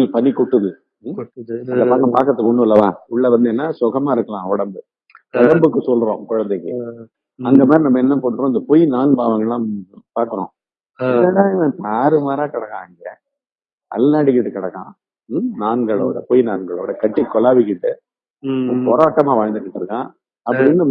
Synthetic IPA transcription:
ipɐnːikʊʈːɯðɯ | ɐdɐnpaːkːɐ̃paːkɐɾɐt̪ːɯkːɔɳɖɯɐlːɐʋa̰ːʊɭːɐʋɐnd̪ɯɛnːaːsʊɣɐmaːɪɾɯkːɐlãːɔɽɐmbɯ | ɔɽɐmbɯkːɯsɔlɾõ̰ːkʊɻɐnd̪ɛkːɯ̰ | ɐŋɡeːmaːɾinɐmːɐɛnːɐpoːɯɾõɪnd̪ɐpɔjnaːnpaːʋɐŋɡɐɭlãːpaːɾkɯɾõ̰ː | ɛlɐlãːɪʋɛ̃p̪aːɾɯmaːɾaːkɐɽɐkːãːɐŋɡe | ɐ̰lːaːɽɪk̬ːɪʈːɯkɪɽɐkːã̰ː | naːnɡɐɭo̰ːɽɐpʊjnaːnɡɐɭo̰ːɽɐkɐʈːikːɔlaːʋɪkːɪʈːɯ | pɔːɾaːʈːɐmaːʋaːɐnd̪ɯkːɪʈːɯɾɯkːã̰ː | ɐpːɐɽɪnːɯ

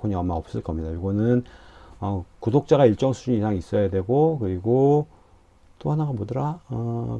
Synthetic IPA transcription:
kʰoɲiʌmːaʌp̚s͈ɯɭk͈ʌmɲidajoɡʌnɯnʌkudok̚t͡ɕ͈aɡaiɭt͡ɕ͈ʌŋsʰud͡ʑuɲiisʰaŋis͈ʌjadwe̞ɡokɯɾiɡo | t͈ohanaɡamodɯɾaʌ

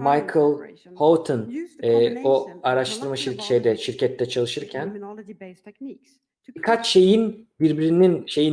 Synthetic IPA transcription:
majkʰɯlˠ | holˠt̪ʰɯnɛːoaɾaʃt̪ʰɯɾmaʃiɾʃejd̪ɛʃiɾcɛt̪ʰːɛt͡ʃʰalˠɯʃɯɾcʰæn | bikʰat͡ʃʃe̞jinbiɾbiɾininʃe̞ji

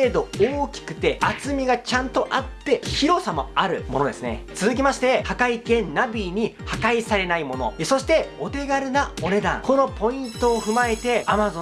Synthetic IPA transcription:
ed̪o̞oːkʲi̥kɯ̟̥t̪e̞at͡sɨmʲiɡat͡ɕãnt̪o̞ʔat̪ːe̞çiɾo̞samo̞aɾɯ̟mo̞no̞d̪e̞sɨne̞̰t͡sɨzɨk̬ʲimaɕi̥t̪e̞hakaikẽ̞nːabʲiɲ̟ihakaisaɾe̞naimo̞no̞̰eso̞ɕi̥t̪e̞o̞t̪e̞ɡaɾɯ̟nao̞ne̞d̪ã̰ŋko̞no̞po̞ĩnt̪o̞ːɸɯ̟mae̞t̪e̞amazõ

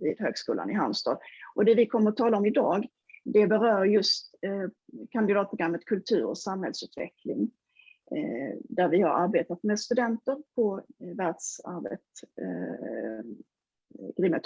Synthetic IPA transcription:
vɪd̪høːɡskṵːla̰nɪɦanst̪ɑ̰ːd̪ʔɔd̪ɛvɪkʰɔmːəɾɔt̪ʰɑːlaɔmɪd̪ɑːɡ | d̪ɛbɛɾœːɾjɵst̪ | kʰanɪd̪ɑːt̪̚pʰɾʊɡɾamːət̪kʰɵlt̪ʰʉ̟ːɾɔ̰samhɛlsʉ̟ːt̪vɛ̰kʰlɪŋ | d̪æɾvɪhaɾaɾbeːt̪at̪mɛd̪st̪ɵd̪ɛnt̪əɾpʰɔvæɖ̥sa̰ɾbḛt̪ | ɡ̥ɾɪmːət̪

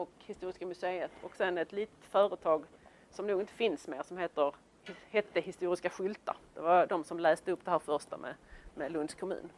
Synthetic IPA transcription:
ɔkhɪst̪uːɾɪskamɵseːət̪ʰɔksɛnːɛt̪liːt̪ə̥t̪fœːɾət̪ʰɑːɡ | sɔmnuːɡɪnt̪əfɪnsmeːɾsɔmɦeːt̪əɾ | hɛt̪ːəhɪst̪uːɾɪskaɧʏlt̪a̰ɾd̪̥ɛvad̪ɔmsɔmlɛːst̪əɵpːd̪ɛhæːɾfœɾʂt̪a̰mɛ̰mɛlɵnd̪skʰɔmʉ̰ːn

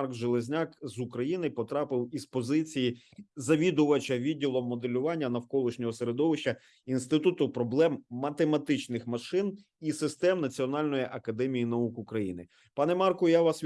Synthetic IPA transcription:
rkʒelˠezʲnʲɑkzʊkɾɐjinɪpɔt̪ɾɑpɪwispɔzɪt͡sʲiji | zɐʋʲid̪ʊʋɐt͡ʃɐʋʲidʲːilˠɔmːɔd̪elʲʊʋɑnʲːɐnɐwkɔlˠɪʃnʲɔɦɔseɾe̞d̪ɔʋɪʃt͡ʃːɐ | inst̪ɪt̪ut̪ʊpɾɔblˠɛmːɐt̪emɐt̪ɪt͡ʃnɪxmɐʃɪn | isɪst̪ɛmnɐt͡sʲiɔnɑlʲnɔjiʔɐkɐd̪ɛmʲijinɐukʊkɾɐjḭnɪ | pɑnɛmɑrkʊjaʋɑsʲ

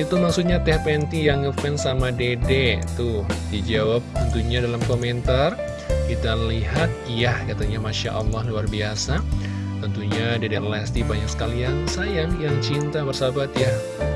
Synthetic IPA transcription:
it̪umaksuɲat̪ɛhpɛnt̪ijaŋəfɛnsamadedet̪ʊhdid͡ʒawap̚t̪ənt̪uɲadalamkoment̪ar | kit̪aliɦat̪̚jahkat̪aɲamaʃa̰ʔɑlˠːɑhluarbiasa | t̪ənt̪uɲadedɛrlast̪ibaɲaksə̥kaliansajaŋjaŋt͡ʃint̪abərsabat̪jah

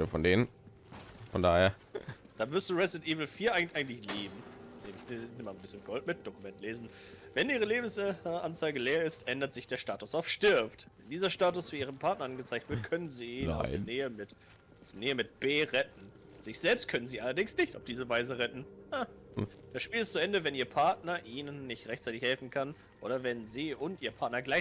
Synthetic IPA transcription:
əfɔndeːnən | fɔndaːheːɐ | d̥aːmʏstəʁɛsɛntʔiːvl̩fiːɐʔaɪʔaɪɡn̩tlɪçleːbm̩neːmɪçnɪmanbɪsçənɡ̥ɔltmɪt̚d̥okumɛntʰleːzn̩ | vɛnʔiːʁəleːbm̩sʔant͡saɪɡəleːɐɪstʔɛndɐtz̥ɪçd̥eːɐʃtaːtʊsaʊfʃtɪɐptvɛndiːzɐʃtaːtʊsv̥iʔiːʁənpʰaɐtnɐʔanɡət͡saɪktv̥ɪɐtkʰœnənziːna̰ʊsd̥eːɐneːəmɪt | ʊsd̥eɐneːəmɪt̚b̥eːʁɛtn̩ | z̥ɪçz̥ɛlpst̚kʰœnənziːʔalɐdɪŋsnɪçtaʊfd̥iːzəvaɪzəʁɛtn̩ad̥asʃpiːlɪstt͡suʔɛndəvɛnʔiːɐpʰaɐtnɐʔiːnənːɪçtʁɛçtt͡saɪtɪçhɛlfn̩kʰan | ʔo̰ːɾɐvɛnziːʔʊntʔiːɐpʰaɐtnɐɡlaɪ

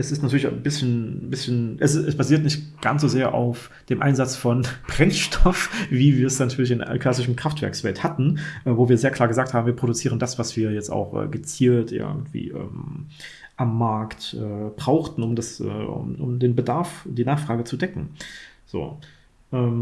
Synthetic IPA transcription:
ʔɛsɪstnatyɐlɪçanbɪsçənbɪsçnʔɛsɪɛsb̥aziːɐtnɪçtɡ̥ansz̥ozeːɐʔa̰ʊf | d̥eːmʔa̰ɪnzat͡sfɔnb̥ʁɛnʃtʰɔfviːviːɐsnatʰyːɐlɪçɪnkl̥asɪʃəm̩kʁ̥aftv̥ɛɐksv̥ɛ̰lthatn̩ʔɛːvoːviːɐzeːɐklaːɡəzaːkthaːbm̩viːɐpʁ̥odʊt͡siːʁəndasv̥asv̥iːɐjɛt͡sta̰ʊxʔɛ̰ːɡət͡siːltʔɪ̰ɡŋ̩tv̥ḭːʔɛ̰ːm | ʔamːaɐktʔɛːb̥ʁaʊxtn̩ʊmdasʔɛ̰ːʊ̰mʔʊ̰mdeːnbədaɐfd̥iːnaːχfʁ̥aːɡət͡sudɛkŋ̩z̥o̰ː | ʔɛːm

